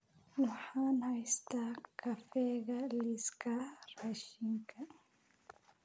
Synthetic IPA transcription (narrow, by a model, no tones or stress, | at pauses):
wuħanhajst̪akʰafɛɡaliskaɾaʃiŋkʰa